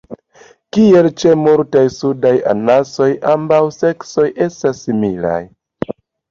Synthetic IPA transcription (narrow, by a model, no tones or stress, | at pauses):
kie̞lt͡ʃe̞multajsudaja̰naso̞jʔambawse̞kso̞jʔe̞stasːimila̰j